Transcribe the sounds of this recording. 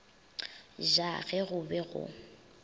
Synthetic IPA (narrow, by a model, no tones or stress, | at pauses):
ʒaɣɛɣʊbɛɣʊ̰